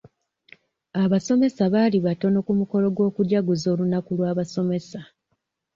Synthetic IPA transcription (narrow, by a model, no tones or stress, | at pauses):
aβaso̞me̞saβaːliβato̞no̞kumuko̞lo̞ɡwo̞ːkuɟaɡuzo̞ːlunakulwaːβaso̞me̞sa